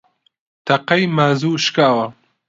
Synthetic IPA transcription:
t̪ɐqɐjmaːzuːʃkaːwɐ

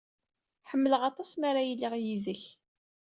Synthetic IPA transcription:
ħəmːələʁɑt̪ˤɑsmaɾajilːiʁjiðəç

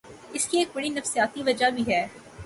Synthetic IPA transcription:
ɪskieːk̚bɐɽinɐfsijaːt̪iʋɐd͡ʒabʱiɦɛː

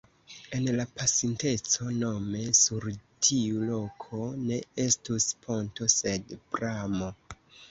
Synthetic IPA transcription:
e̞nlapasinte̞t͡so̞no̞me̞suɾtʰiulo̞kʰo̞ne̞e̞stuspʰo̞nto̞se̞dpɾamo̞

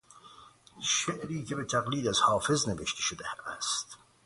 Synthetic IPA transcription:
ʃeʔɾiːkʰebet̪ʰæɣliːd̪æzhɑːfezneveʃt̪ʰe̥ʃod̪ææst̪

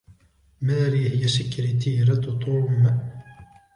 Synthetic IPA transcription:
maːɾiːhɪjasɪkɾɪt̪ʰiːɾat̪t̪ˤuːm

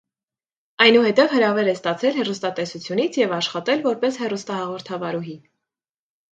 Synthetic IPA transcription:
ɑjnuhɛt̪ɛvhəɾɑvɛɾɛst̪ɑt͡sʰɛlhɛrust̪ɑt̪ɛsut͡sʰjunit͡sʰjɛvɑʃχɑt̪ɛlvɔɾpɛshɛrust̪ɑhɑʁɔɾt̪ʰɑvɑɾuɦi

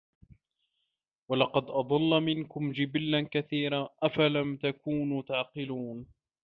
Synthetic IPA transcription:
walɑqɑd̪ʔɑd̪ˤɑlːmɪnkʊmd͡ʒɪbɪlːankaθiːɾaːʔafalamt̪akuːnut̪aʕqɨluːn

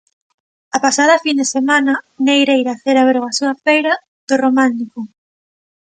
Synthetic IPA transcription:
apasað̞ɐfind̪esemanɐnejɾejɾaθeɾaβeɾɣasuɐfejɾɐ | ð̥oromãnt̪iko

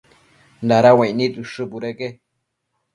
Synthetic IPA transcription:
nd̪aɾawãĩnĩtɨʂɨpuɾeke

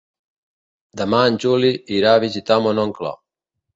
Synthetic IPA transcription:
d̪amaːnt͡ʃuliiɾaβit͡ʃit̪amonɔŋkla̰

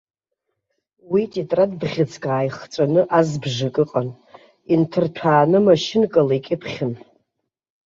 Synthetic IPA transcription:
witʼitʼradbʁʲɪt͡sʰkʼaːjχt͡sʷʼanɨʔazbʐakʼɨqʼan | intʰɨrtʰaːnɨmaʃɪnkʼalaikʲʼɪpʰχʲɪn

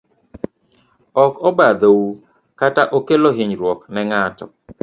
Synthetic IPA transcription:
ɔkɔbad̪ou | kataʔokeloɦɪɲɾwɔknɛŋatɔ

